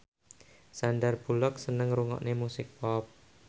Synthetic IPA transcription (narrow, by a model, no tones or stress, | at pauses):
sandarb̥ulɔk̚sənəŋɾuŋɔ̰ʔnemusɪk̚pɔp̚